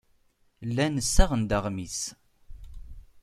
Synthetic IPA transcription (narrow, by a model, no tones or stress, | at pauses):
lːænəsːæʁənd̪əʁmis